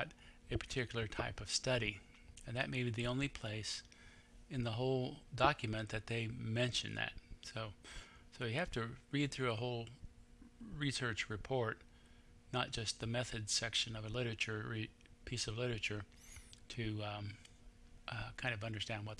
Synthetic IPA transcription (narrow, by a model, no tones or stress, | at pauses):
ɾɨpʰə̥˞tʰɪkjl̩ˠə˞tʰaɪpʌv̥stʌɾi | ɨ̃nðɨt̚meɪbiðiõʊ̃nlipʰl̥eɪs | ɨ̃nðəɦoʊlˠdɑkjɨmɨ̃nðɨt̪̚ðeɪmɛ̃nʃɨ̰̃nðɨ̰t̚soʊsoʊjɨhæftɨɹid̪̚θɹʉəɦoʊlˠ | ɹisɜ˞t͡ʃɹɨpʰɔɹt | nət̚d̥ʒ̥ʌst̪̚ðɨmɛθɨdsɛkʃɨ̃nʌvəlɪɾə˞ɨt͡ʃə˞ɹi | pʰisʌvlɪɾə˞ɨt͡ʃə˞ | ɾʰɨ | kʰãɪ̃ndʌvʌ̃ndə˞stæ̃nd̚wʌt̪̚